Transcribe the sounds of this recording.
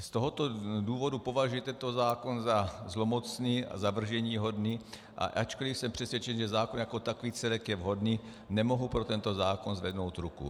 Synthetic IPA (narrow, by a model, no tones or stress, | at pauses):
st̪oɦot̪oduːvo̞dupo̞vaʒujɛt̪ɛnt̪ozaːkonzazlomot͡sniːa̰zavr̩ʒɛɲiːɦo̞dniː | ʔa̰ʔat͡ʃkolɪfsɛmpr̝̥ɛsʋjɛt͡ʃɛnʒɛzaːkonjakot̪akoviːt͡sɛlɛkjɛvɦo̞dniː | nɛmoɦupɾot̪ɛnt̪o̞zaːkonzvɛdnowt̪ɾukṵ